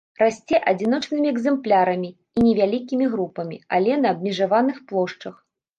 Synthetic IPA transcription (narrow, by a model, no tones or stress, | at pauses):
rasʲt͡sʲɛʔad͡zʲinɔt͡ʂnɨmʲiɛɡzɛmplʲaɾɐmʲi | inʲɛvʲalʲikʲimʲiɣɾupɐmʲia̰lʲɛnɐːbmʲɛʐavanɨxplˠɔʂt͡ʂɐx